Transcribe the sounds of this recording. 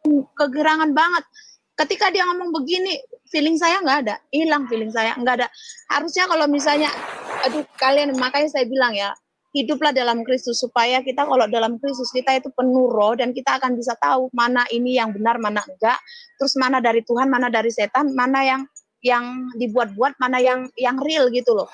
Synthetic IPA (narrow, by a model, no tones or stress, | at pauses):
kəɡəɾaŋanbaŋət̪̚ | kət̪ikadijaŋomɔŋbəɡinifilɪŋs̬ajaŋɡaːdailaŋfilɪŋs̬aja̰ŋɡadaʔha̰ɾʊsɲakalomis̬alɲaadukalianmakajsajabilaŋja | hidʊplahdalamkɾist̪ʊsːupajakit̪akalodalamkɾis̬t̪ʊskit̪ait̪upənuɾɔdankit̪aːkanbis̬at̪aumanaʔinijaŋbənarmanaəŋɡaʔt̪əɾʊsmanadaɾit̪uɦanmanadaɾiset̪anmanajaŋ | jaŋdibuat̪̚buat̪̚manajaŋjaŋrɪlɡit̪ulɔ